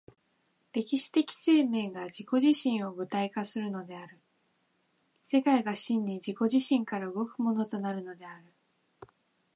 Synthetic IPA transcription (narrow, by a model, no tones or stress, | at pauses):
ɾe̞kʲiɕi̥t̪e̞kʲi̥se̞ːme̞ːɡad͡ʑiko̞ʑiɕĩɰ̃o̞ɡɯ̟t̪aikasɨɾɯ̟no̞d̪e̞aɾɯ̟ | se̞kaiɡaɕĩɲ̟ːid͡ʑiko̞ʑiɕĩŋkaɾaɯ̟ɡo̞kɯ̟mo̞no̞t̪o̞naɾɯ̟no̞d̪e̞aɾɯ̟